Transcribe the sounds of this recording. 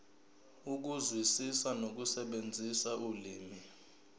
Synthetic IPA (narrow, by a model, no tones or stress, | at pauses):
uk̬uzwisisanok̬usɛɓend͡zʱisauliːmi